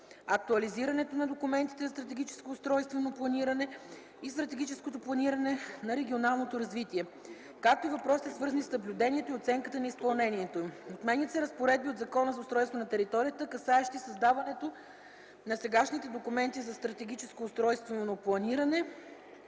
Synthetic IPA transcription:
ɐk̚t̪uɐliziɾɐnɛt̪onɐd̪okʊmɛnt̪i̥t̪ɛzɐst̪ɾɐt̪ɛɡ̟ʲit͡ʃɛ̥skoːst̪ɾɔjst̪vɛnoplˠɐniɾɐnɛ | ist̪ɾɐt̪ɛɡit͡ʃɛskot̪oplˠɐniɾɐnɛnɐɾɛɡʲionalˠnot̪oɾɐzvit̪iɛ | kak̚t̪oivɐpɾɔsi̥t̪ɛsvɤɾzənisnɐblʲud̪ɛnʲiɛt̪oiot̪sɛŋkət̪ənɐispɐlˠnɛniɛt̪oimot̪mɛnʲət̪səɾɐspoɾɛd̪̚biod̪zɐkɔnəzɐʊst̪ɾɔjst̪vonɐt̪ɛɾit̪ɔɾijət̪əkɐsaɛʃt̪isɐzd̪avɐnɛt̪o | nɐsɛɡaʃnit̪ɛd̪okʊmɛnt̪izɐst̪ɾɐt̪ɛɡ̟it͡ʃɛskoːst̪ɾɔjst̪vɛnonoplˠɐniɾɐnɛ

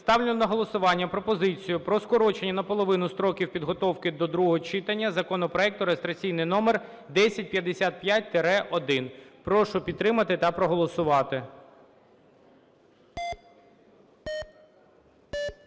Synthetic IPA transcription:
st̪ɑwlʲɪnnɐɦɔlˠɔsʊʋɑnʲːɐpɾɔpɔzɪt͡sʲijʊpɾɔskɔɾɔt͡ʃenʲːɐnɐpɔlˠɔʋɪnʊst̪ɾɔkʲiwpʲid̪ɦɔt̪ɔwkɪd̪ɔd̪ɾuɔɦɔt͡ʃɪt̪ɐnʲːɐzɐkɔnɔpɾɔɛk̚t̪ʊɾest̪ɾɐt͡sʲijnɪjnɔmer | d̪ɛsʲɐt̚ʲpʲjɐd̪esʲat̪̚pjat̚ʲt̪eɾɛʔɔd̪ɪnpɾɔʃʊpʲid̪t̪ːɾɪmɐt̪ɪt̪ɐpɾɔɦɔlˠɔsʊʋɑt̪ɪ

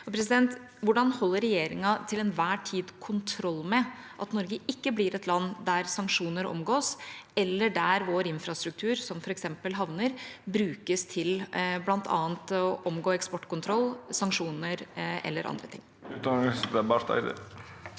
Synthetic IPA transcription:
ɔpʰɾɛs̬ɪd̪ɛnt̪ | ʋʊɖɑnhɔlːəɾɛjeːɾɪŋɑt̪ʰɪlɛnʋæːʈʰiːd̪kʰʊnt̪ʰɾɔlːmɛʔɑt̪nɔɾɡəʔɪkːəblɪɾɛt̪lɑnːd̪æɾsɑŋkʂuːnəɾɔ̰mɡoːsɛlːəɖæɾʋoːɾɪnfɾɑst̪ɾʉk̚t̪ʰʉːɾsɔmfɔɾɛksɛmpəlɦɑʋnəɾbɾʉːkəst̪ʰɪlblɑnt̪ʰɑ̰ːənt̪ɔʔɔmɡoːɛkspɔʈːkʰʊnt̪ʰɾɔlːsɑŋkʂuːnəɾɛ̰lːəɾʔɑ̰nd̪ɾət̪ʰɪ̰ŋː | ʉːt̪̚d̪ɑnŋəsd̪ɛbɑɾt̪æ̰ɪd̪ə̰

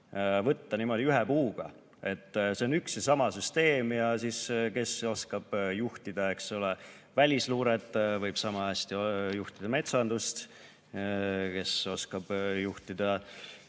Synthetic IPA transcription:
vɤt̪ːɑniːmo̞d̪̥iyɦepuːɡ̥ɑ̰ | e̞t̪ːse̞onyksjɑsɑmɑsyst̪e̞ːmjɑsiske̞so̞skɑb̥juht̪id̪̥ɑe̞ksule | vælʲisluːɾet̪ˑːvɤjb̥sɑmɑæsʲt̪ijuht̪id̪̥ɑme̞t̪sɑnd̪̥ust̪ | ke̞so̞skɑb̥juht̪id̪̥ɑ

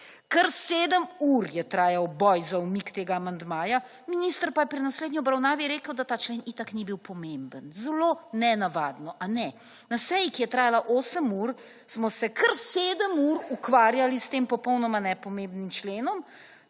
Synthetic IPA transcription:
kəɾseːd̪əmuɾjɛt̪ɾaːjawbɔjzaumikt̪eːɡaːmand̪maːja | minist̪əɾpajɛpɾinasleːd̪nʲiɔbɾawnaːʋiɾeːkəwd̪at̪aːt͡ʃleːnit̪aknibiwpɔmembənzɛlonɛnaʋaːd̪nɔʔanɛ | nasɛjikijɛt̪ɾaːjalaʔoːsəmuɾ | smɔsɛkʰəɾseːd̪əmuɾukʋaːɾjalist̪eːmpɔpɔwnɔmanɛpɔmembnimt͡ʃleːnɔm

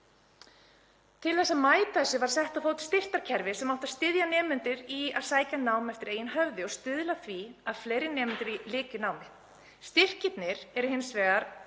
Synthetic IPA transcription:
t̪ʰɪlθɛsːamaːjt̪ajsʏvaɾ̥sɛht̪aðfowt̪ɪ̥st̪ɪr̥t̪aɾ̥cʰɛɾvɪ̥sɛmawht̪aðst̪ɪðjanɛːmʏnt̪ɪɾia̰ðsaːjcanaːwmɛft̪ɪɾeːjɪnɦœvðɪɔɣst̪ʏðlaθviaðfleːjɾɪnɛːmʏnt̪ɪɾilɪːcʏnaːwmɪ | st̪ɪr̥cɪt̪nɪɾ̥ɛɾʏɦɪnsvɛːɣaɾ̥

